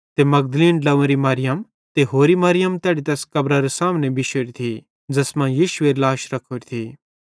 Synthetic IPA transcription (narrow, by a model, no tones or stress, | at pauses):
t̪emɐɡd̪əliːnɖɐʋ̃ɾimaɾɪjəm | t̪eɦoːɾimɐɾɪjəmt̪ɛːɽit̪ɐskɐbɾaɾesaːmnebɪʃoːɾit̪ʰi | d͡zɐsmãjiːʃʊeːɾlaːʃɾɐkʰoːɾit̪ʰiː